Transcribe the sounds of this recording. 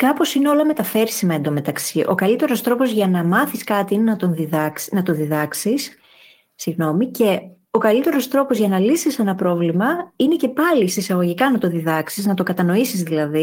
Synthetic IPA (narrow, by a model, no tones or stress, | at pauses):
kɐpo̞sine̞o̞lɐme̞t̪ɐfe̞ɾsimɐed̪ome̞t̪ɐksiʔo̞̰kɐlit̪e̞ɾo̞st̪ɾo̞po̞zʝɐnɐmɐθiskɐt̪iine̞nɐt̪o̞nðiðɐnɐt̪o̞ðiðɐksisː | iɣno̞mice̞ | o̞kɐlit̪e̞ɾo̞st̪ɾo̞po̞zʝɐnɐlisise̞nɐpɾo̞vlimɐine̞ce̞pɐlist̪isɐɣo̞ʝikɐnɐt̪o̞ðiðɐksiznɐt̪okɐt̪ɐno̞isizðilɐði